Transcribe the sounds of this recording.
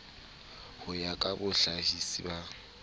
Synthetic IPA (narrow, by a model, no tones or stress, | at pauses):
hʊjakʼabʊɬahisiba